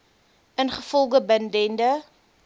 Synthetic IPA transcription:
ənχəfɔlˠɡəbəndɛndə

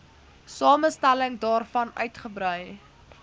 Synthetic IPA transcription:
sɑːməstæləŋdɑːrfɐnœ̰ɥtχəbrœj

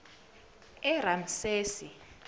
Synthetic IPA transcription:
ɛram̩seːsi

